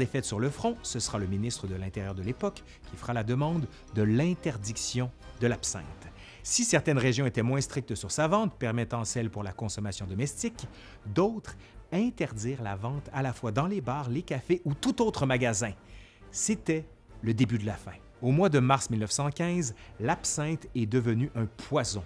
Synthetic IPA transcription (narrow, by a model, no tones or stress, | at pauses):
ɛfɛt̪syʁləfχɔ̃səsəʁaləminist̪χəd̪əlɛ̃t̪eʁjœːʁd̪əlepɔk | kʲːifəʁalad̪əmɑ̃d̪ː | əlɛ̃t̪ɛʁd̪iksjɔ̃d̪əlapsɛ̰̃t̪ | sisɛʁt̪ɛnʁeʒjɔ̃et̪ɛmwɛ̃st̪χik̚t̪syʁsavɑ̃t̪̚pɛʁmɛt̪ɑ̃sɛlpuʁlakɔ̃sɔmasjɔ̃d̪ɔmɛst̪ik | d̪ɔʊt̪χ | ɛ̃t̪ɛʁd̪iːʁla̰vɑ̃t̪alafwad̪ɑ̃lebaːʁlekʲafeʔut̪ut̪ot̪χəmaɡazɛ̃ | set̪ɛ | ləd̪ebyd̪əlafɛ̃ | omwad̪əmaʁsmilnəfsɑ̃kʲɛ̃zlapsɛ̃t̪ɛd̪əvənyʔœ̃pʰwazɔ̃